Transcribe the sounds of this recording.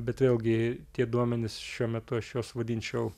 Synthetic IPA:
bʲɛt̪ʋʲeːlˠɡʲɪt̪ʲiɛd̪uɔmʲɛnʲɪsʃʲuɔmʲɛt̪ʊɐʃjoːsʋɐd̪ʲiːnʲt͡ʃʲɛʊ

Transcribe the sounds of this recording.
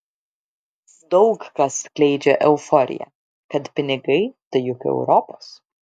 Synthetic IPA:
d̪ɐʊkkɐsklʲɛɪd͡ʒʲɛʔɛʊfɔːɾʲɪ̰jɛ̰ | kɐt̪pʲɪnʲɪɡɐɪt̪ɐjʊkɛ̰ʊɾɔːpɐs

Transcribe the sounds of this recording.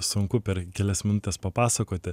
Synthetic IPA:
sʊŋkʊpʲɛɾkʲɛlʲɛsmʲɪnʊt̪ʲɛspɐpɑːsɐkoːt̪ʲɪ

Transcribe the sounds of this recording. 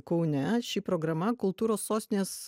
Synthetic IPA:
kɔʊnʲɛʃʲipɾoːɡɾɐmɐkʊlˠt̪uːɾoːsːoːsʲt̪ʲɪnʲeːs

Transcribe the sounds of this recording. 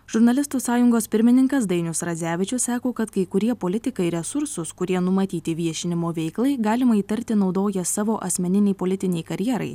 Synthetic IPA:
ʒ̥ʊɾnɐlʲɪst̪uːsɑːjʊŋɡoːspʲɪɾʲmʲɪnʲɪŋkɐsd̪ɐɪnʲʊsɾɐzʲæːʋʲɪt͡ʃʲʊssɑːkoːkɐt̪kɐɪkʊɾʲiɛpoːlʲɪt̪ʲɪkɐɪɾʲɛsʊɾsʊskʊɾʲiɛnʊmɐt̪ʲiːt̪ʲɪʋʲiɛʃʲɪnʲɪmoːʋʲɛɪklˠɐɪɡɑːlʲɪmɐiːt̪ɐɾʲt̪ʲɪnɒʊd̪oːjɛsɑːʋoːʔɐsʲmʲɛnʲɪnʲɛɪpoːlʲɪt̪ʲɪnʲɛɪkɐɾʲjɛɾɐ̰ɪ

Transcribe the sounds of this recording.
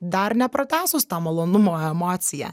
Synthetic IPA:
d̪ɐɾnʲɛpɾɐt̪ʲæːsʊst̪ɑmɐlˠoːnʊmoːɛmoːt̪sʲɪjæ̰

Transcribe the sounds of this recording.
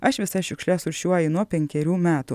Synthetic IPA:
ɐʃʋʲɪsɐʃʲʊkʃʲlʲɛsʊɾʲʃʲuɔjɪnuɔpʲɛŋʲkʲɛɾʲuːmʲæːt̪u

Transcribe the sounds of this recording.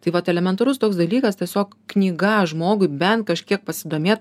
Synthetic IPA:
t̪ɐɪʋɐt̪ɛlʲɛmʲɛnt̪ɐɾʊst̪oːksd̪ɐlʲiːkɐstʲiɛsʲoːk | knʲiːɡɑːʒmoːɡʊɪbʲɛnt̪kɐʃʲkʲiɛk̚pɐsʲɪd̪oːmʲeːt̪̚

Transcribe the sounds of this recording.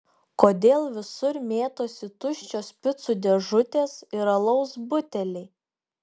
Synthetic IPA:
koːd̪ʲeːlˠʋʲɪsʊɾmʲeːt̪oːsʲɪt̪ʊʃʲt͡ʃʲoːspʲɪt̪sʊd̪ʲɛʒʊt̪ʲeːsɪɾɐlˠɒʊsbʊt̪ʲɛlʲɛɪ

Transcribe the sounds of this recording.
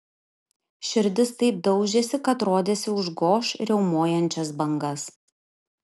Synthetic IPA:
ʃʲɪɾʲd̪ʲɪst̪ɐɪp̚d̪ɒʊd͡ʒʲeːsʲɪkɐt̪ɾoːd̪ʲeːsʲɪʊʒɡoːʃɾʲɛʊmoːjɛnʲt͡ʃʲɛsbɐŋɡɐs

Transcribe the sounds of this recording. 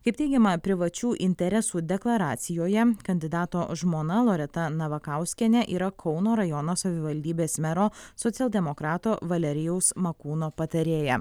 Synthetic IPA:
kɐɪp̚t̪ʲɛɪɡʲɛmɐpʲɾʲɪʋɐt͡ʃʲuːʔɪnʲt̪ʲɛɾʲɛsuːd̪ʲɛklˠɐɾɑːt̪sʲɪjoːjɛkɐnʲd̪ʲɪd̪ɑːt̪oːʒmoːnɐlˠoːɾʲɛt̪ɐnɐʋɐkɑˑʊsʲkʲɛnʲɛʔiːɾɐkʰɔʊnoːɾɐjɔnoːsɐʋʲɪʋɐlʲd̪ʲiːbʲeːsmʲɛɾoːsɔt̪sʲɛlʲˠd̪ʲɛmokɾɑːt̪oːʋɐlʲɛɾʲɪjɛʊsmɐkuːnoːpɐt̪ɐɾʲeːjɛ

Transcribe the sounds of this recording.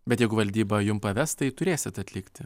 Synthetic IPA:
bʲɛt̪jɛɪɡʊʋɐlʲd̪ʲiːbɐjʊmpɐʋʲɛst̪ɐɪt̪ʊɾʲeːsʲɪt̪ɐt̪ʲlʲɪkt̪ʲɪ

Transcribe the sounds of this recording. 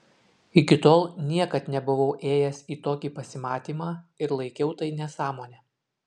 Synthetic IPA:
ɪkʲɪt̪oːlˠnʲiɛkɐt̪nʲɛbʊʋɐʊʔeːjɛsiːt̪oːkʲiːpɐsʲɪmɑːt̪ʲiːmɑːɪɾlˠɐɪkʲɛʊt̪ɐɪnʲɛsɑːmoːnʲɛː

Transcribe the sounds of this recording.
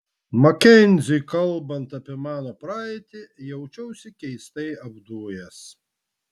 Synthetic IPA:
mɐkʲɛnʲzʲʊjkɐlˠbɐnt̪ɐpʲiɛmɑːnopɾɑːɪt̪ʲɪjɛʊt͡ʃʲɛʊsʲɪkʲɛɪst̪ɐɪɐbd̪uɔjɛs

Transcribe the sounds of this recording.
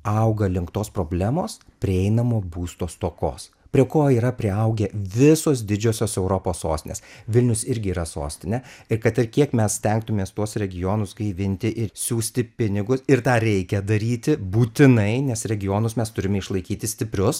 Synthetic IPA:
ɐʊɡɐlʲɪŋkt̪oːspɾoːbʲlʲæːmoːspʲɾʲɪɛɪnɐmoːbuːst̪oːst̪oːko̰ːs | pʲɾʲiɛkoːiːɾɐpʲɾʲɪɐʊɡʲɛʋʲɪsoːsd̪ʲɪd͡ʒʲoːsʲoːsɛʊɾopoːsso̰ːsʲt̪ʲɪnʲḛːsʋʲɪlʲnʲʊsɪɾʲɡʲɪiːɾɐso̰ːsʲt̪ʲɪnʲɛɪɾkɐt̪ɪɾkʲiɛkmʲɛssʲt̪ʲɛŋk̚t̪ʊmʲeːst̪uɔsɾʲɛɡʲɪjoːnʊsɡɐɪʋʲɪnʲt̪ʲɪʔɪɾsʲuːsʲt̪ʲɪpʲɪnʲɪɡʊsɪɾt̪ɑːɾʲɛɪkʲɛd̪ɐɾʲiːt̪ʲɪbuːt̪ʲɪnɐɪnʲɛsɾʲɛɡʲɪjoːnʊsmʲɛst̪ʊɾʲɪmʲɛɪʃlˠɐɪkʲiːt̪ʲɪsʲt̪ʲɪpʲɾʲʊs

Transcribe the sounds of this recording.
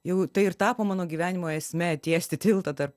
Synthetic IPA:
jɛʊt̪ɐɪɪrt̪ɑːpoːmɑːnoːɡʲiʋʲæːnʲɪmoːɛsʲmʲɛt̪ʲiɛsʲt̪ʲɪt̪ʲɪlˠt̪ɐt̪ɐrp

